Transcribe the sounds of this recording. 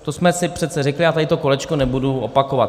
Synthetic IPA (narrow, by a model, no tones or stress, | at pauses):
t̪osmɛsɪpr̝̥ɛt̪sɛrɛklɪat̪adɪt̪oko̞lɛt͡ʃkonɛbuduopakovat̪